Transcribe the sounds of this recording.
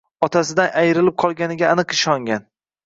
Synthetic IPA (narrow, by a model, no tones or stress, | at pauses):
ɒt̪ʰasɪd̪anʔajɾɪlɪp̚qʰɒlˠɡʲanɪɡʲaːnɨqɪʃɒŋɡʲan